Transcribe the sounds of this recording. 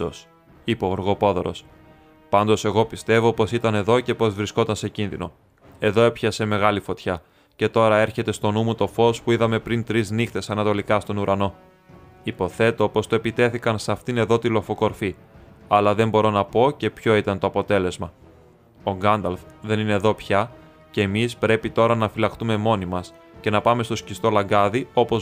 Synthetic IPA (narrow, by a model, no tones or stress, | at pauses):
s | ipeoɾɣo̞po̞ðo̞ɾo̞̰s | pɐnd̪o̞se̞ɣo̞pist̪e̞vo̞po̞sit̪ɐne̞ðo̞ce̞po̞zvɾisko̞t̪ɐnse̞cinðḭno̞̰ | e̞ðo̞epçɐse̞me̞ɣɐlifo̞t̪çɐ | ce̞t̪o̞ɾɐe̞ɾçe̞t̪e̞st̪o̞numut̪o̞fo̞spuiðɐme̞pɾint̪ɾiznixt̪e̞sɐnɐt̪o̞likɐst̪o̞nuɾɐno̞ | ipo̞θe̞t̪o̞po̞st̪oepit̪e̞θikɐnsɐft̪ine̞ðo̞t̪ilo̞fo̞ko̞ɾfi | ɐlɐðe̞mbo̞ɾo̞nɐpo̞ce̞pço̞it̪ɐnt̪oɐpo̞t̪e̞le̞zmɐ | o̞ɡɐnd̪ɐlfðe̞nine̞ðo̞pçɐ | ce̞ːmispɾe̞pit̪o̞ɾɐnɐfilɐkt̪ume̞mo̞nimɐs | ce̞nɐpɐme̞st̪o̞scist̪o̞lɐŋɡɐðio̞po̞z